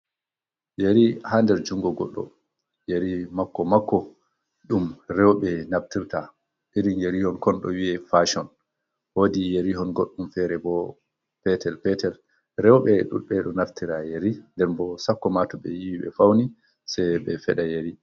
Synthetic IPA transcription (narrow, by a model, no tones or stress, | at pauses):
jeɾihandɛɾd͡ʒuŋɡɔɡɔ̰ɗːɔ̰ | jeɾimakːɔmakːɔ | ɗumɾɛwɓɛnaftiɾta | ʔiɾinjeɾihɔnkɔnɗɔ̰wiɛfaʃɔn | woːdijeɾiɦɔnɡoɗːumfɛɾɛbɔ | pɛtʰɛlpɛtɛl | ɾɛwɓɛɗṵɓɛɗɔnaftiɾajeɾindɛɾbɔsakːɔmatɔɓɛjiwiɓɛ̰fawni | sɛjɓɛfɛɗajeɾi